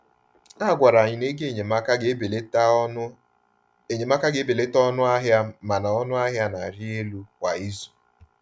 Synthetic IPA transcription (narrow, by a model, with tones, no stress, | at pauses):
a˦˨ɡʷa˨ɾa˨ɲɪ˨ne˦ɡe˦˨ɲe˨m˦ka˦be˨l | e˨ɲe˨ma˦ka˦ɡe˨˦be˨le˦tɔ˦nʊ˦a˦ɦa˦ma˨na˨ɔ˦nʊ˦a˦ɦja˦na˨ɾi˦e˦lu˦kwa˨i˦zu˨